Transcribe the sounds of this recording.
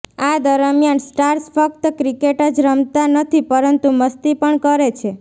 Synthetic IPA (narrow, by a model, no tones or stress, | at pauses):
ad̪əɾəmjansʈaɾsfʰək̚t̪əkɾikeʈəd͡ʒɾəmt̪anət̪ʰipəɾənt̪uməst̪ipəɳkəɾet͡ʃʰe